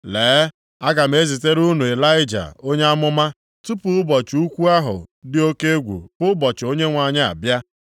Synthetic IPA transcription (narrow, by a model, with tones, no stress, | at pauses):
leː˨˦ | a˦ɡa˨m̩˨˦e˦zi˨te˦ɾu˦nu˨e˨la˦ɪ˦d͡ʒa̰˨o˦ɲe˦a˦mʊ˦ma˦ | tu˦pʊ˨ʊ˦bɔ˨t͡ʃu˦kʷu˦a˦ɦʊ̰˨dɪ˦o˦ke˦e˦ɡʷṵ˨pʊ˦bɔ˨t͡ʃɪ˨o˦ɲe˦ŋʷa˨ɲɪ˦a̰˨bja˦